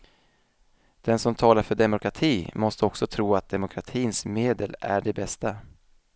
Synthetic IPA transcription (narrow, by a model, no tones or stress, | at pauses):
d̪̥ɛnsɔmt̪ʰɑːlaɾfœɖɛmʊkɾat̪ʰiːmɔst̪əɔksɔt̪ʰɾuːat̪̚d̪ɛmʊkʰɾat̪ʰiːnsmeːd̪əlæ̰ɖɛbɛst̪a